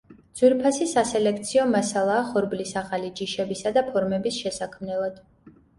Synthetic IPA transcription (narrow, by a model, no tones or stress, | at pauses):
d̪z̥wiɾpʰasisasɛlɛk̚ʰt̪sʰiɔmasalˠaːχɔɾblisaχalid͡ʒiʃɛbisad̪apʰɔɾmɛbisʃɛsakʰmnɛlˠad̪̥